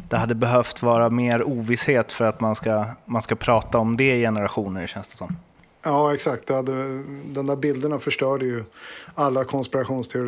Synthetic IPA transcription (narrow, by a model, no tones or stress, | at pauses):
d̪̥ɛɦad̪ːəbɛɦœft̪vɑːɾameːɾuːvɪsheːt̪fœɾat̪manskamanskapʰɾɑːt̪aɔmd̪ɛɪjɛnəɾaɧuːnəɾɕɛnsd̪ɛ̥sɔmː | jɑːɛksakt̪̚d̪ɛhad̪ːəd̪ɛnd̪æːɾbɪld̪əɳafœʂʈœːɖəjɵalːakʰɔnspɪɾaɧuːnst̪ʰɛʊɾ